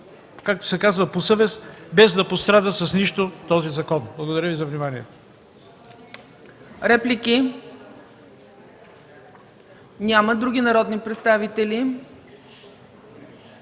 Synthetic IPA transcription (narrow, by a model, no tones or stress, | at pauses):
kak̚t̪o̥sɛkazvəposɤvɛsbɛzd̪ɐpost̪ɾad̪əsɐsniʃt̪ot̪ɔzizɐkɔnblˠɐɡod̪ɐɾʲjəvizɐvnimaniɛt̪o̥ | ɾɛplʲiki | nʲaməd̪ɾuɡʲinɐɾɔd̪nipɾɛt̪st̪avit̪ɛli